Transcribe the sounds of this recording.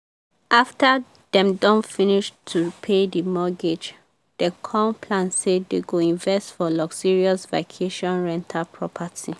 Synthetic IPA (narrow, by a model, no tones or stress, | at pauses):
ʔafta | dɛ̃mdɔ̃nfiniʃtʰupʰedimɔɡed͡ʒ | d̥əkʰɔ̃npʰlãnseddeɡoĩɱvɛstfɔlɔksiɹiɔsvakʰeʃɔ̃nɹɛ̃ntʰapʰɹɔpʰatʰi